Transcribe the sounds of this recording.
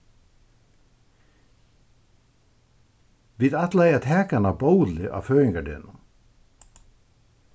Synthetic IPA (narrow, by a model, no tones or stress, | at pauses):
ʋiːðat̪læjat̪ʰɛːkanabowlɪʔa̰ːʋfœːɪŋkaɖɪ̰ːnʊ